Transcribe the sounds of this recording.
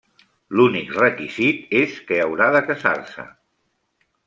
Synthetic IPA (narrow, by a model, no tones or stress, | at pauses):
lunikrəkizit̪eskəəwɾaðəkəza̰rsə̰